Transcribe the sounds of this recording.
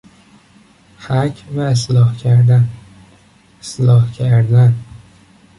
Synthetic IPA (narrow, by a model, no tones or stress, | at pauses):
hæcʰvæeslɒːhcʰæɾd̪æn | eslɒːhcʰæɾd̪æn